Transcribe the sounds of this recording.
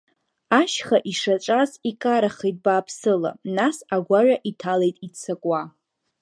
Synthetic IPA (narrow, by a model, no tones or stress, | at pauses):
aʃχaʔiʂaʈ͡ʂʼazikʼaɾaχejt̚ʼbaːpʰsɨla̰nasaɡʷaɥʷᶣaʔitʰalejtʼit͡sʰakʼwa